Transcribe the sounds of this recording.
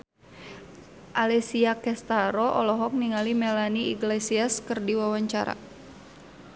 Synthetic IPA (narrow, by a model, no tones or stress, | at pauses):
ʔalɛsiakɛst̪aɾɔʔɔ̰lɔɦɔk̚niŋalimɛlaniiɡlɛsiaskərdiwawaɲt͡ʃa̰ɾa̰